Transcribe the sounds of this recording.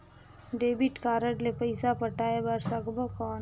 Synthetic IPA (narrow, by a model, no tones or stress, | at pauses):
ɖeːbiʈkaːɾəʈlepəɪsapəʈaːebɐɾsəɡbokaːn